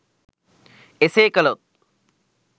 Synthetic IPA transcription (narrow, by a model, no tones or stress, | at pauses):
eseːkɐlot̪̚